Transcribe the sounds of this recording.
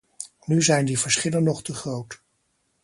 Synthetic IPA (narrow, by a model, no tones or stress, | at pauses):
nyzɛjndivəɹsχɪlənɔχtəχrowt